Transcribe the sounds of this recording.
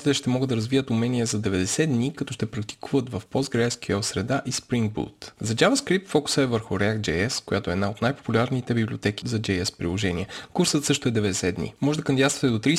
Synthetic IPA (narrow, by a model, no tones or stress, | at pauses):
t̪it̪ɛʃt̪ɛmɔɡəd̪ɐɾɐzvijət̪umɛniɛzɐd̪ɛvɛd̪ɛsɛd̪nikɐt̪ɔʃt̪ɛpɾɐk̚t̪i̥kuvət̪vɐfpɔzɡɾɛskiɔsɾɛd̪aʔispɾiŋɡ̚bṵt̪zɐd͡ʒavɐskɾippt̪fɔku̥səɛvəɾxʊɾɛak̪̚d͡ʒɛɛskojat̪oɛd̪naot̪najpo̥pulʲaɾnit̪ɛbibliot̪ɛk̟izɐd͡ʒɛɛspɾḭlˠoʒɛniɛkuɾsət̪sɤʃt̪oɛd̪ɛvɛd̪ɛsɛd̪nḭmɔʒɛd̪ɐkɐmd̪ʲjast̪vɐt̪ɛd̪ot̪ɾi